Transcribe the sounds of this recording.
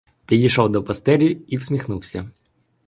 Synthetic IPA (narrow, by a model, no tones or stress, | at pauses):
pʲid̪ʲiʃɔwd̪ɔpɐst̪ɛɾʲiʊiwsʲmʲixnuwsʲɐ